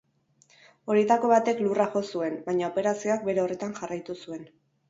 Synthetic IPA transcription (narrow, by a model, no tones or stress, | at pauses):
o̞ɾiet̪ako̞βat̪e̞kluraʝo̞sue̞nbajɲaope̞ɾasio̞ak̚be̞ɾe̞o̞re̞t̪aŋʝarajt̪usue̞n